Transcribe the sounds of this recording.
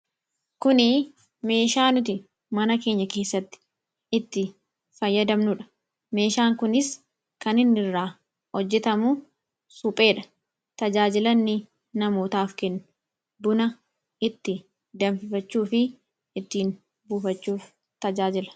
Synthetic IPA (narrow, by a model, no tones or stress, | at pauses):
kʊnɪ | me̞ːʃaːnʊt̪̬ɪ | mɐnɐke̞ːɲːɐke̞ːsːɐt̪ːɪ̥ | ɪt̪ːɪ | fɐjːɐd̪ɐmnʊᶑɐ̥ | me̞ːʃaːŋkʊnɪs | kɐnɪnːɪrːaː | hɔd͡ʒːɛt̪ɐmʊ | suːpʼe̞ːᶑɐ̥ | t̪ɐd͡ʒaːd͡ʒɪlɐnːɪ | nɐmo̞ːt̪aːfkɛnːʊ̥ | bʊnɐ | ɪt̪ːɪ | d̪ɐmfɪfɐt͡ʃːuːfɪː | t̪ːiːn | buːfɐt͡ʃːuːf | t̪ɐd͡ʒaːd͡ʒɪlɐ̥